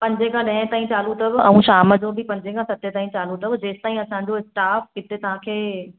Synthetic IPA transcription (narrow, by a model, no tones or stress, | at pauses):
pɐ̃ɲd͡ʑekʰãɗɐ̃ɦt̪aːĩt͡ɕaːlũt̪ɐbɪɐ̰ũʃaːmə̆d͡ʑobʱipɐ̃ɲd͡ʑekʰãsɐt̪ʰet̪aːĩt͡ɕaːlũt̪ʰɐbɪd͡ʑeːst̪aːĩɐsãɲ̆d͡ʑoɪsʈaːfɦɪt̪et̪ɐʋ̤ãkʰeː